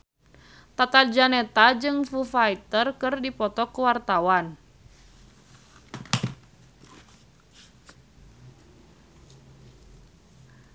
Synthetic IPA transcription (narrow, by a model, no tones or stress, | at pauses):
t̪at̪ald͡ʒanɛt̪ad͡ʒɨŋfufait̪ərkɨrdipɔt̪ɔkuwart̪awan